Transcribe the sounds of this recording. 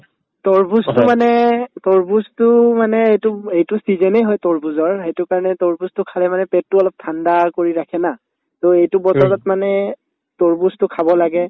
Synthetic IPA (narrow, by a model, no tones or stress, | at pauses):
tɔɹbustʊmanɛtoɹbustʊmanɛejtʊejtʊsizɛnejɦɔjtoɹbuzɔɹɦejtʊkaɹɔnɛtoɹbustʊkʰalɛmanɛpɛt̚ːʊɔlɔp̚tʰandakoɹiɹakʰɛna | toejtʊbɔtɔɹatmanɛ | toɹbustʊkʰabɔlaɡɛ